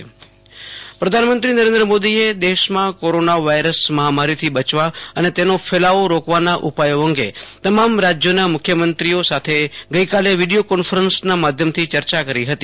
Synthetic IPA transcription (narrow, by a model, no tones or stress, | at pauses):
pɾəd̪ʱanmənt̪ɾinəɾẽnd̪ɾəmod̪ied̪eʃmãkoɾonaʋajɾəsməɦamaɾit̪ʰibət͡ʃʋaənet̪enofʰelaʋoɾokʋanaʔupajoə̃ŋɡet̪əmamɾad͡ʒjonamʊkʰjəmənt̪ɾiosat̪ʰeɡəikaleʋiɖijokɔnfəɾənsnamad̪ʱjəmt̪ʰit͡ʃəɾt͡ʃakəɾiɦət̪i